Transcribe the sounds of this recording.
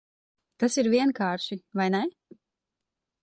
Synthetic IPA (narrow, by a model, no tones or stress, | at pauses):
t̪asiɾvʲiɛnkaːɾʃivajnɛ